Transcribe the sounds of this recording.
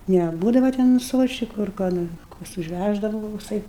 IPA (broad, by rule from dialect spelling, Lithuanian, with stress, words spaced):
nʲɛˈbuːdɐʋɐ tʲɛn ˈsʋuɔʃʲt͡ʃʲɪkʊ ɐr koː ˈnoːr ˈkoːks ʊʒʲˈʋʲæʒdɐʋɐ ʋɐ koːkˈsɐɪ